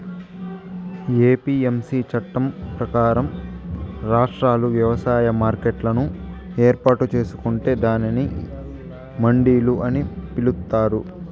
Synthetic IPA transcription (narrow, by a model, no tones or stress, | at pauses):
eːpiːemsiːt͡ʃɐʈːɐmpɾɐkaːɾɐm | ɾaːʂʈɾaːluʋjɐʋɐsaːjɐmaːɾkeʈlɐnue̞ːɾpaːʈut͡ʃe̞ːsu̥kuɳʈe̞ːd̪aːnini | mɐɳɖiːluʔɐnipilut̪ːaːɾu